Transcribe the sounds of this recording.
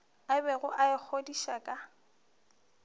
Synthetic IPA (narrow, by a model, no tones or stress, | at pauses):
abɛɣʊʔaɪk͡xʰodiʃakʼa